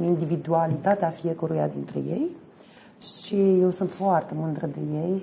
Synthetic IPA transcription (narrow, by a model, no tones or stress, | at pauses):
nind̪ivid̪ualit̪at̪eafjɛkuɾuja̰d̪ḭnt̪ɾə̰jej | ʃijɛwsunt̪fwart̪əmɨnd̪ɾəd̪əjej